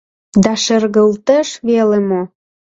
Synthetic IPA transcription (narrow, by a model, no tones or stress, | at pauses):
d̪ɑʃə̆rɣəlt̪əʃβelemo